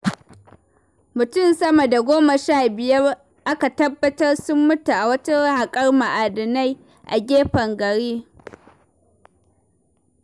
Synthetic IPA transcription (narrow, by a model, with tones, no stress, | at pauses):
mʊ˨tʊ˦nsɐ˦mɐ˨da˨ɡʷoː˦mɐ˨ʃaː˦˨bɪ˨jɐ˦r | ʔa˦ka˨tɐ˦bːɐ˦tɐ˦rsʊ˦mːʊ˦ta˨ʔa˨wɐ˦ta˦ha˨kʼɐ˦rma˨ʔaː˨dɐ˨na˦j | ʔa̰˨ɡʲeː˦ɸɐ˨ŋɡɐ˨ɽiː˦